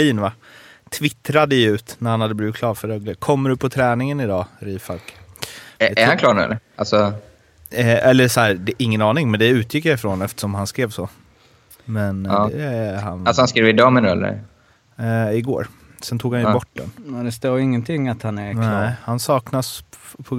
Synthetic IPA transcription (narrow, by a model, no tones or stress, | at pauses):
liːnva | t̪ʰvɪt̪ɾad̪əjʉ̟ːt̪næɾhanhad̪ːəblɪvɪt̪kʰlɑːɾfœɾɛɡləkʰɔmːɖɵpʰɔt̪ʰɾɛːnɪŋənɪd̪ɑːɾiːfalk | æɾhankʰlɑːɾnʉ̰ɛ̰lːəalsɔ | ɛlːəsɔhæːɾd̪ɛʔɪŋːənɑːnɪŋmɛnd̪ɛʉ̟ːt̪jɪkːjaɪfɾɔnɛft̪ə̥ʂɔmhanskɾeːvsɔ | mɛn | hanalsɔhanskɾeːvɪd̪ɑːmɛnɛlːə̰ɾ | ɪɡo̰ːɾ | sɛnt̪ʰuːɡhanjəbɔʈːdɛ̰nɔd̪ɛst̪oːɪŋːənt̪ʰɪŋːat̪hanæɾnɛhansɑːknaspʰɔ